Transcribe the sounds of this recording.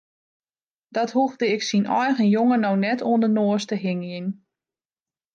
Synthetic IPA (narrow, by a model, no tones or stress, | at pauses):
d̥ɔthuɣdəɪksinɔjɣənjoŋənɔwnɛtʰoəndənoːstəɦɪŋin